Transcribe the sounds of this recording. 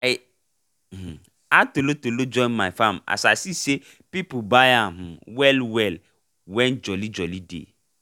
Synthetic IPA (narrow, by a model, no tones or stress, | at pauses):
atolotolod͡ʒɔ̃ɪnmajfãma̰sasise | pipbajaɦ̩wɛlwɛl | wɛ̃nd͡ʒɔlid͡ʒɔlidḛ